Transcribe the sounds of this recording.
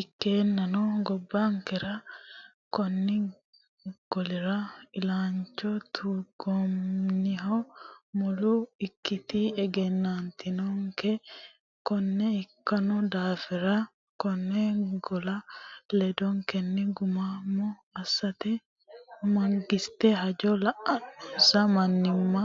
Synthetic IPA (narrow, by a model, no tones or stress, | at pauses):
ɪkːeːnːɐnɔɡɔbːaŋkɛɾɐ | kɔnːɪ | ɡ̥ɔlɪɾɐɪlaːnt͡ʃːɔt̪ʰuːɡɔmnɪɦɔmɔlʊɪkːɪt̪ɪɛɡɛnːant̪ɪnɔŋkɛ | kɔnːɛɪkːɐnɔd̪aːfɪɾɐ | kɔnːɛɡɔlɐlɛd̪ɔŋkɛnːɪɡʊmamːɔ | ɐsːɐt̪ɛ | mɐŋɡɪst̪ɛɦɐd͡ʒɔlɐʔɐsɐmɐnːɪmːɐ